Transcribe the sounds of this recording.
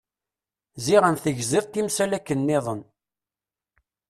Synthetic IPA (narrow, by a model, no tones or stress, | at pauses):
ziʁənθəʝzɪðˤt̪ːimsælækːənːɪðˤən